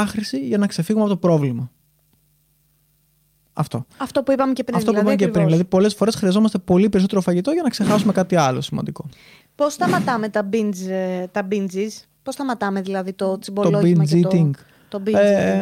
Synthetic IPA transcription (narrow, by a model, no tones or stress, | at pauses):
ɐxɾisiʝɐnɐkse̞fiɣumeɐpoopɾo̞vlimɐ | ɐ̰ft̪o̞̰ɐft̪o̞puipɐmeceɾiɐt̪opɐipɐmecepɾinðilɐðipo̞le̞sfo̞ɾe̞sxɾiɐzo̞mɐst̪e̞po̞lipe̞ɾiso̞t̪eɾofɐʝit̪o̞ʝɐnɐkse̞xɐsume̞kɐt̪iɐlo̞simɐ̰nd̪iko̞ | post̪ɐmɐt̪ɐmet̪ɐbind͡zt̪ɐbind͡zis | post̪ɐmɐt̪ɐmeðilɐðit̪osiboolobinzit̪iŋɡ | t̪obi